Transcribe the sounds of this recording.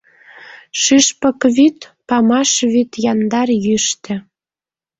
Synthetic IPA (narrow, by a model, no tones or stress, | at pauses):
ʃyʃpə̆kβyt̪pɑmɑʃβyt̪jɑnd̪ɑrjyʃt̪ĕ